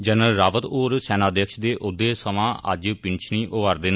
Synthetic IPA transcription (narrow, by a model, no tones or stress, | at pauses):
d͡ʒənəlɾaːʋət̪oːɾsɛːnaːd̪ekʃd̪eːʔʊd̪eːsəmãːʔə̰d͡ʒpɪnt͡ʃʰniːʔoːʋəɾd̪eːn